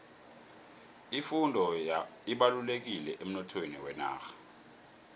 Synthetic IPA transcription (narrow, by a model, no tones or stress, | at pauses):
ifundʱɔiɓalulek̬ilɛʔem̩nɔtʰwenḭwɛna̰ːxḁ